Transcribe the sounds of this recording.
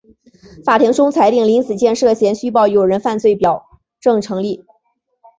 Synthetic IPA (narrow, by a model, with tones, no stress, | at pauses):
fa˨˩t̪ʰi˧˥ŋʈ͡ʂʊ˥ŋt͡sʰa˧˥ɪt̪i˥˩ŋli˧˥nt͡sɹ̩˨˩t͡ɕjɛ˥˧nʂɤ˥˩ɕjɛ˧˥nɕy˥pɑ˥˩ʊjo˨˩ʊɻə˧˥nfa˥˧nt͡swe˥˩ɪpjɑ˨˩ʊ | ʈ͡ʂɤ˥˩ŋʈ͡ʂʰɤ˧˥ŋli˥˩